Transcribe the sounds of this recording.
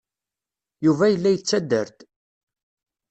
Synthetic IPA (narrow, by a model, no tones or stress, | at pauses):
juvæjəlːæjət͡sːæd̪ːəɾt̪